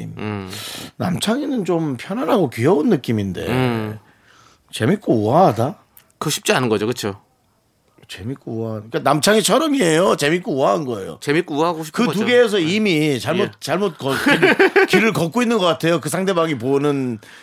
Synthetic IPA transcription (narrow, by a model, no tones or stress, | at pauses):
m | na̰mt͡ɕʰaŋenɯnt͡ɕompʰjʌnɦanɦaɡokijʌunːɯk͈iminde̞̰ | t͡ɕe̞mik͈ouaɦada | kɯɕʰi̥p̚t͡ɕ͈ianɯnɡʌd͡ʑokɯt͡ɕʰo | t͡ɕe̞mik͈ouak͈anamt͡ɕʰaŋet͡ɕʰʌɾʌmie̞jot͡ɕe̞mik͈ouaɦnɡʌe̞̰jo̰t͡ɕemik͈ouaɦaɡoɕ̬ʰi̥kɯt̬uɡe̞ːs̬ʰʌimit͡ɕaɭmot̚t͡ɕaɭmot̚k͈ʌkikiɾɯɭkʌk͈̚oinːɯnɡʌk͈atʰe̞jokɯs̬ʰaŋde̞baɡip̬onɯn